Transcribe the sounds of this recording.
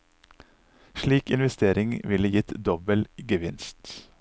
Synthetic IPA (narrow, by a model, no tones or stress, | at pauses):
ʃliːkɪnʋɛst̪eːɾɪŋʋɪləjɪt̪d̪ɔbəlɡəʋɪnst̪